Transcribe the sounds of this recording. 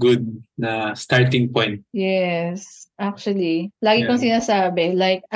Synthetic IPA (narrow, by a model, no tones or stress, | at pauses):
ɡʊd̪̚nɐst̪aɹt̪̬ɪ̃ŋpɔjnt̪̚jɛsʔak̚t͡ʃʊɐlilaːɡɪkoŋsɪnaːsaːbɛlajk̚